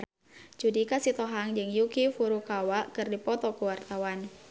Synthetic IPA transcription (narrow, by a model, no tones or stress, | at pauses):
d͡ʒudikasit̪ɔɦaŋd͡ʒɨŋjukifuɾukawaʔkɨrdipɔt̪ɔkuwart̪awan